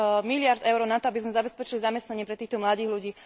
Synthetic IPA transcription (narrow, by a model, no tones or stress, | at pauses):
milɪaɾd̪ɛʊɾɔnat̪ɔabizmɛzabɛspɛt͡ʃilizamɛst̪naɲɪɛpɾɛt̪iːxt̪ɔmlad̪iːɣluɟiː